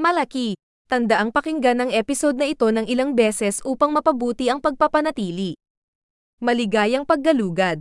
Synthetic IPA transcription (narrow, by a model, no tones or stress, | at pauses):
mɐlɐki | t̪ɐnd̪ɐʔaŋpɐkɪŋɡanɐŋʔɛːpɪso̞d̪̚nɐʔɪt̪o̞nɐŋɪlaŋbɛːsɛsʔuːpɐŋmɐpɐbuːt̪iʔɐŋpɐɡ̚pɐpɐnɐt̪iːli | mɐlɪɡajɐŋpɐɡ̚ːɐluːɡɐd̪̚